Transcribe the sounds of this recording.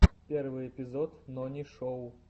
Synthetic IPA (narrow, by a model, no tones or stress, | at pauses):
pʲɛrvɨɛpʲizɔt̪nɔnʲiʂɔw